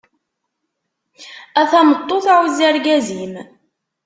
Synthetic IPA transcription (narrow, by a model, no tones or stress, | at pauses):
æθæmət̪ˤːoθawzæɾɡæzim